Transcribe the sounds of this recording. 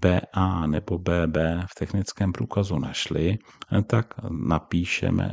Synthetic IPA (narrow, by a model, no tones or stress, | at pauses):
b̥ɛːʔaːnɛbo̞bɛːbɛːft̪ɛxnɪt͡skɛːmpɾuːkazunaʃlɪt̪aknapiːʃɛ̰mɛ̰